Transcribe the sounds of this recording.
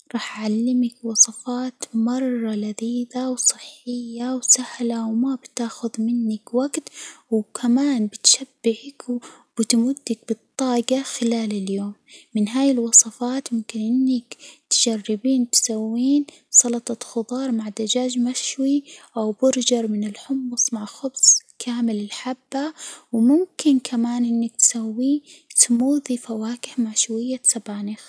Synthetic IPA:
ɾˤɑːħʕalːɪmakwɑsˤɑfɑːt̪mɑrˤːɑlaðiːðawsˤɨħːɪjːawsahlawmabt̪aːxʊðmɪnːɪkwaɡt̪wkʰamaːnbɪt̪ʃabːɪʕɪk | b̥ɪt̪mʊd̪ːɪk̚bɨt̪ˤːɑːɡaxɪlaːlɪljoːmːɪnɦaːjɪlwɑsˤɑfɑːt̪mʊmkɪnʔɪnːɪkt̪ʒ̥arːɪbiːnt̪sawːiːn | sˤɑlɑt̪ˤɑt̪xʊd̪ˤɑːɾˤmaʕd̪ad͡ʒaːd͡ʒmaʃwiʔawbʊɾd͡ʒɑɾˤmɪnɪlħʊmːʊsˤmaʕxʊbsˤkʰaːmɪlɪlħabːawmʊmkɪnkʰamaːnʔɪnːak̚t̪sawːiːt̪muːðifawaːkɪħmaʕʃwajːasabaːnɪx

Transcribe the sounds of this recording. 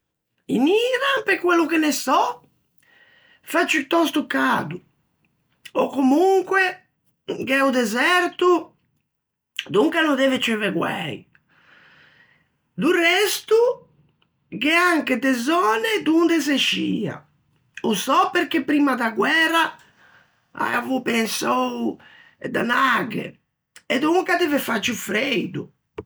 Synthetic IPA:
ḭniːɾampekːwɛlːukenɛsɔ | fat͡ʃːit̪ɔst̪ukaːd̪u | ɔkːomuŋkwɛ | ɡɛud̪ɛzɛɾt̪u | d̪uŋkanɔd̪ɛvet͡ʃɛvɛɡwɛ̰j̰ | d̪urɛst̪u | kɛaŋkɛd̪ɛzɔːnɛd̪und̪ɛseʃːḭːa̰ | usɔpeɾk̟epːɾiːmad̪aɡwɛra | a̰a̰vupɛnsow | d̪a̰naɡɛ̰ | ɛd̪uŋkad̪ɛvɛfat͡ʃːufɾejd̪u

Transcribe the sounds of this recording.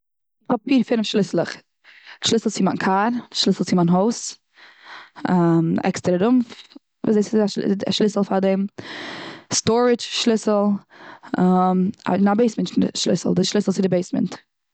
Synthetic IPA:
ɪɔpfiːɾfɪnəfʃlˠɪslˠəχ | ʃlˠɪsl̩ˠt͡sɪmankʰaɾʃlˠɪsl̩ˠt͡sɪmanɦoʊs | amɛ̰kstəɾaɾʊmf | va̰ːsdeɪsaa̰ʃlˠɪsl̩ˠfadɛm | stɔɾɪt͡ʃʃlˠɪsl̩ˠ | ama̰ɪnabeɪsmɛntʃlɪ̰slˠdɪʃlˠɪslˠsɪdɪbeɪsmɛ̰nt

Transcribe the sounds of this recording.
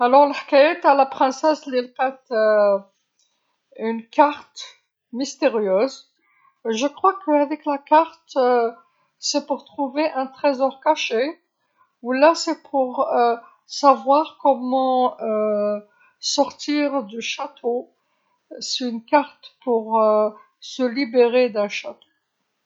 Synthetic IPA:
alɔʁləħkajɛt̪alapχɛ̃sɛslilfɛt̪ | ynkaʁt̪ | mist̪eʁjøːz | ʒəkχwakʰəavɛklakaʁt̪ | sɛpuʁt̪χuveʔɛ̃t̪χɛzɔʁkaʃe | ulasɛpʰuʁø | savwaʁkɔmɑ̃ø | sɔʁt̪iʁd̪yʃat̪ʰo | sɛynkaʁt̪puʁ | səlibeʁed̪ɛ̃ʃat̪o̥

